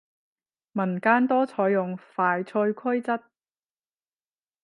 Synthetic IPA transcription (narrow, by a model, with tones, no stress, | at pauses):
mɐ˨˩nkaː˧nt̪ɔː˥t͡sʰɔː˨˧jʊ˨ŋfaː˨jt͡sʰɵ˧jkʰɐ˥jt͡sɐ˥t̚